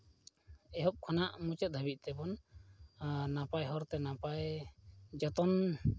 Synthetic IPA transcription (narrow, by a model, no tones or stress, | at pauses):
ɛɦɔp̚kʰɔnaʔmut͡ʃɛt̪̚d̪ʱəbit̪̚ˀt̪ɛbɔn | napajɦɔɾt̪ɛnapaj | d͡ʒɔt̪ɔn